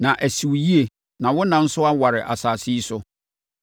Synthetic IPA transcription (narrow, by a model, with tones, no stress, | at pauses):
nã˨ʔæ˨si˨wji˦e˨ | nã˨wʊ˦nã˨n̩˦sʊ˦a˦wa˨ɾɪ˨ʔa˨saː˨si˦sʊ˦